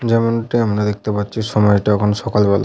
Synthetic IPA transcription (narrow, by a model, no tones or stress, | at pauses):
d͡ʑɛmonʈiamɾad̪ek̚ʰt̪epatːɕʰiʃɔmɔjʈaɛkʰonoʃɔkalebɔla̰